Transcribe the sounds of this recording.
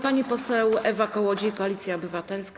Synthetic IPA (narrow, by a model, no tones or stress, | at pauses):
paɲipɔsɛwɛvakɔwɔd͡ʑiikɔalʲit̪sʲjaɔbɘvat̪ɛlsk